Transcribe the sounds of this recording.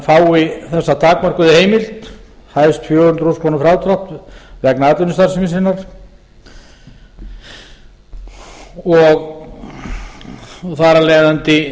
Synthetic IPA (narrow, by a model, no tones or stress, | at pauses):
faːwɪθɛsːat̪ʰaːk̚mar̥kʏðɪheːjmɪl̥t̪hajst̪fjɔːhʏnt̪ɾuskʰlawnʏfɾaːwt̪ɾaht̪vɛknaaːt̪ɪnʏst̪aɾsɪmɪsɪnːaɾ̥ | ɔɣ | θaɾalɛːjðant̪ɪ